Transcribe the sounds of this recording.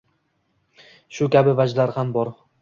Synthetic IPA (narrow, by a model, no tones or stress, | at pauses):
ʃʊkʲabɪvad͡ʒlaɾhambɒɾ